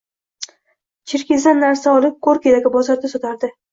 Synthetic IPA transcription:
t͡ʃʰɪɾkʲɪzanːaɾsaɒlˠɪp̚qʰoɾkʲed̪aɡʲɪbɒzaɾd̪asɒt̪ʰaɾd̪ɪ

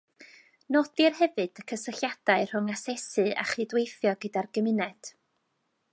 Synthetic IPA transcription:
nɔdirhɛvɨd̥əkʰəsəɬjad̥aɨr̥ʊŋasɛsɨʔa̰χidwejθjɔɡədarɡ̥əmɪnɛd̥

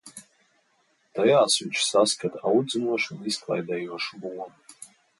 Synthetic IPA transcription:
t̪ʰajaːsut͡ʃsaskʰat̪ʰawd͡zɨmuɔʂuniskʰlˠa̰jd̪ajuɔʂbuwɔn

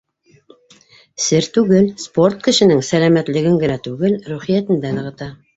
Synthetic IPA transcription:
sɘɾt̪ʉɡɘlspo̞rt̪̚kɘ̆ʃɘ̆nɘŋsælæmæt̪lɘ̆ɡɘŋɡɘ̆næt̪ʉɡɘlɾuχijæt̪ɘ̆nd̪ænɤ̆ʁɤ̆t̪ɑ

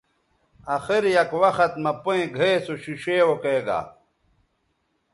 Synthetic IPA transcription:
ɐxiɾjɐkwɐxɐt̪mɐpoẽɡʱeːsoɕiɕeːwokeːɡa̰ː

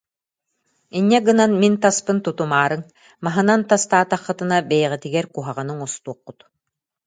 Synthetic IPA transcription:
inʲːɛɡɯnanmint̪aspɯnt̪ut̪umaːɾɯŋ | maɦɯnant̪ast̪aːt̪aχːɯt̪ɯnabɛjɛʁit̪iɡɛɾkuɦaʁɯnɯŋust̪uɔqːut̪

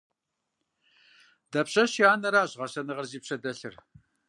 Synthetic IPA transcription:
d̥ɐpɕɐɕiaːnɐɾaːʑʁɐɕɐnɨʁɐrziːpɕɐdɐɬɨ̰r

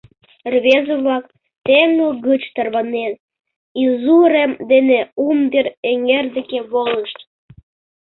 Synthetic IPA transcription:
rβezəβlɑk | t̪eŋoɣət͡ɕt̪ərβɑnen | izuɾemd̪eneumd̪eɾeŋerd̪ĕkeβoləʃt̪

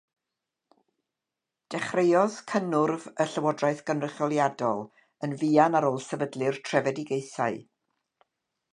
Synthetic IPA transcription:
d̥ɛχrejɔskʰənʊrvəɬəwɔdraɨθɡ̥ənrəχjɔlˠjadɔlˠ | ənviːanaɾoːlˠsɛvədlˠɨrtʰrɛvɛdɪɡejθa̰ɨ

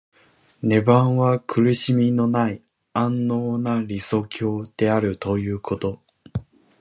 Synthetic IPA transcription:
ne̞bãɰ̃βakʰɯ̟ɾɯ̟ɕimʲino̞nai | ãnːo̞ːnaɾʲiso̞kʲʰo̞ːd̪̥e̞aɾɯ̟t̪o̞jɯ̟ːkʰo̞t̪o̞

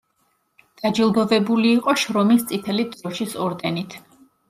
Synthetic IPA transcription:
d̪̥ad͡ʒilˠd̪ɔvɛbuliːqʼɔʃɾɔmist̪sʼit̪ʰɛlid̪zɔʃisɔɾd̪ɛnit̪ʰ

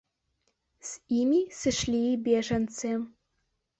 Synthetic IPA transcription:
simʲisɨʂlʲiːbʲeʐɐnt͡sʰɨ

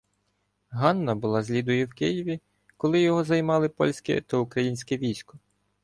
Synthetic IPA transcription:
ɦɑnːɐbʊlˠɑzʲlʲid̪ʊjʊwkɪjiʋʲi | kɔlˠɪjɔɦɔzɐjmɑlˠɪpɔ̰lʲsʲkɪ̰t̪ɐʊkɾɐjinʲsʲkɛʋʲijsʲkɔ

